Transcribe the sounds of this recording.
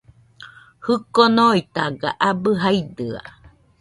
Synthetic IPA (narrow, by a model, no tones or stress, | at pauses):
hɯkonoit̪aɡa̰ʔabɯɦaid̪ɯa̰